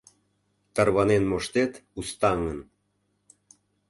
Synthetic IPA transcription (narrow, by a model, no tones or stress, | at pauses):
t̪ɑrβɑnenmoʃt̪et̪ust̪ɑŋən